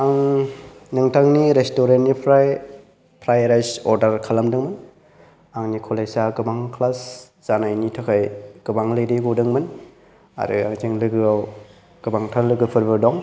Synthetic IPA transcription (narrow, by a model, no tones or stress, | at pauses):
aŋ | nɯŋtʰaŋniɾestoɾentnipʰɾaj | pʰɾajɾajsɔɾdaɾkʰalamdɯŋmɯn | aŋnikʰɔlejsaɡɯbaŋkʰlas | z̥anajnitʰakʰajɡ̥ɯbaŋlɯjɾiɡudɯŋmɯn | a̰ɾɯ̰a̰ŋzʰiŋlɯɡɯaw | ɡ̥ɯbaŋtʰalɯɡɯpʰɯɾbɯdɔŋ